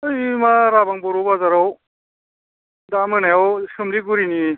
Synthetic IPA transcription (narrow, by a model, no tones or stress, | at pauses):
ɯjmaɾabaŋbɔɾɔbazaɾaw | damɯnajɔwsɯmɾiɡuɾini